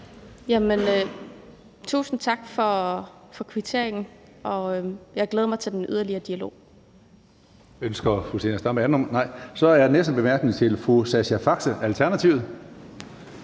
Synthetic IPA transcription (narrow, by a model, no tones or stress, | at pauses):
jæmenø | t͡sʰṵːsn̩t͡sʰɑ̈ɡ̥fɒ̽fɒ̽kʰʋit͡sʰe̝ɐ̰eŋn̩ | ʔɒ̽øjɑɡ̥leːðˠmɑ̈ɪt͡sʰe̝d̥enʔyð̞ˠɐliɐːd̥iælo̝̰ː | ønsɡ̥ɐfuse̝̰ːnɐsd̥ɑ̈mænɒ̽mnɑ̈ɪ̰sɒ̽æɐjnesd̥̩b̥e̝mæɐɡ̥nit͡sʰe̝lfosæɕæfɑ̈ɡ̥səʔælt͡sʰæɐnæt͡sʰiʊð̩ˠ